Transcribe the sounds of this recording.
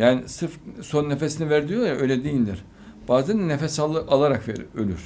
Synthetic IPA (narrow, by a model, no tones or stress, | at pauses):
jaːnisɯfso̞nːefesinivæɾd̪ʲijojaʔø̞jlʲɛd̪ejilʲd̪iɾ̥ | b̥aːzænd̪nefɛsalˠːɯalˠaɾakvḛø̰lʲy̰ɾ̥